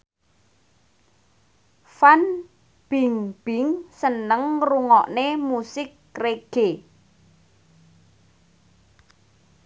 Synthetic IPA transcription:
fan | b̥iŋb̥ɪŋsənəŋruŋɔʔnemusɪkː | reɡ̥e

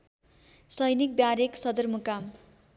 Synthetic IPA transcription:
sʌjnik̚bjaɾeksʌd̪ʌrmukam

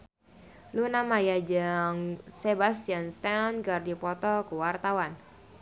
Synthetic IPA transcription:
lunamajad͡ʒaŋsebast̪ianst̪anɡardipɔt̪ɔkuwart̪awan

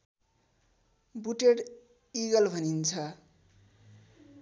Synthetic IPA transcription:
buʈeɽ | iɡʌlbʱʌnint͡sʰʌ

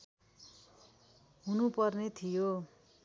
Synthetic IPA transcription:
ɦunupʌrnet̪ʰijo

